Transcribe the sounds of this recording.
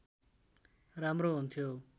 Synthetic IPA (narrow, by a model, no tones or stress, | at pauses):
ɾamɾoɦunt̪ʰjo